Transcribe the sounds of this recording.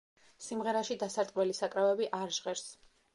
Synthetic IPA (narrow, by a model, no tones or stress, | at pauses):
simʁɛɾaʃid̪asaɾt̪ʼwɛlisakʼɾavɛbiʔaɾʒʁɛɾs